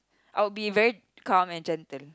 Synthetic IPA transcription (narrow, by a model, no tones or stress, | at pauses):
ʔaɪwbivɛɹi | kãːmɛ̃nd͡ʒɛ̃ntəl